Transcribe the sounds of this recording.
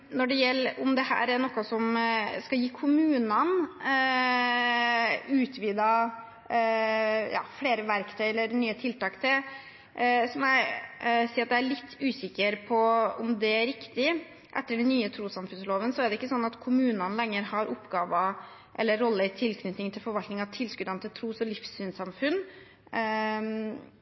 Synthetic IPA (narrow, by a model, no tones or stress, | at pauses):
nɔɖɛjɛlːʊmd̪ɛhæ̰ːɾæɾɳɔkːɑsɔmskɑjiːkʰʊmʉːnɑn | ʉːt̪ʰʋiːd̪ɑ | jɑ̰ːfleːɾəʋæɾkt̪ʰœɪɛlːəɾnyːət̪ʰɪlt̪ɑːkt̪ʰɪl | sɔmjæɪsiːɾɑt̪d̪ææɭɪt̪ʰːʉːsɪkːəɾpʰɔʊmd̪ɛæɾɪkt̪ɪ | ʔɛt̪ːəɖɛnnyːət̪ʰɾuːsɑmfʉnsloːʋənsɔæɖɛɪkːəsɔnːɑt̪kʰʊmʉːnənlɛŋːəɾhɑɾʔʊpːɡɑːʋə | ʔɛ̰lːəɾːɔlːəɪt̪ʰɪlkʰnʏt̪nɪŋt̪ʰɪlfɔɾʋɑlt̪nɪŋɑʋt̪ʰɪlskʉd̪ɑnət̪ʰɪlt̪ʰɾuːsɔlɪfsyːnsɑmfʉnː